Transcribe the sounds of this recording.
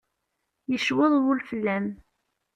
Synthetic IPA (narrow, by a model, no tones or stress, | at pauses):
jəʃwɪðˤwʊlfəlːæm